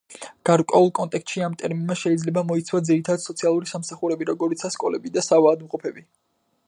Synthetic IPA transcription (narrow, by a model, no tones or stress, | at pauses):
ɡ̥aɾkʼwɛulˠkʼɔnt̪ʼɛkʰst̪ʼʃiamt̪ʼɛɾminmaʃɛid̪zlɛbamɔit̪sʰwad̪ziɾit̪ʰad̪ad̪sɔt̪sʰialˠuɾisamsaχuɾɛbiɾɔɡɔɾit̪sʰaskʼɔlɛbid̪asavaːd̪mqʼɔpʰɛbi